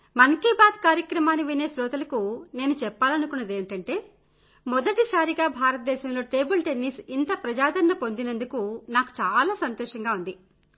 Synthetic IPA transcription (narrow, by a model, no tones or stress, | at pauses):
mɐŋkibaːd̪kaːɾjɐkɾɐmaːniʋine̞ːsɾɔːt̪ɐlɐkune̞ːnut͡ʃɛpːaːlɐnukunːɐd̪eːɳʈɐɳʈe̞ː | mɔd̪ɐʈisaːɾiɡaːbʱaːɾɐt̪̚d̪ɛːʃɐmlo̞ːʈe̞ːbulʈenːiːsint̪ɐpɾɐd͡ʒaːd̪ɐɾɐnːɐpo̞nd̪inɐnd̪ukunaːku̥t͡ʃaːlaːsɐnt̪ɔːʂɐŋɡaːund̪i